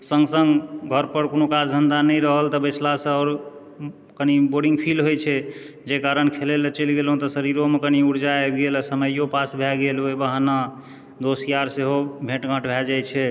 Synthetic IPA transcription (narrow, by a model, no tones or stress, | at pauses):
səŋɡsəŋɡɡʱəɾpəɾkonokad͡ʒd͡ʒ̪ʱənd̪anəjɾəɦəlt̪əbəsʰlasə̃ɔːɾ | kəniboɾɖiŋɡpʰilɦojt͡ʃʰɛ | d͡ʒekaɾənkʰelelət͡ʃəlɡelɦũt̪ɔsəɾiɾomekəniuɾd͡ʒaebɡelsəməjopasbʱɛɡelojbaɦna | d̪osijaɾseɦobʱẽʈɡʱə̃ʈbʱɛd͡ʒajt͡ʃʰɛ